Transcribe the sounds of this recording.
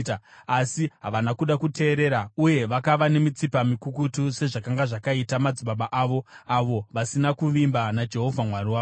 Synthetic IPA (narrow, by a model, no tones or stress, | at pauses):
asiɦaʋanakuɗakutʰe̞ːɾe̞ɾauje̞ʋakaʋane̞mit͡sipamikukutuse̞ʐakaŋɡaʐakaitamad͡ziɓaɓaʔaːʋo̞aʋo̞ʋasinakuʋimbanad͡ʒe̞ɦo̞vʱamwariwaː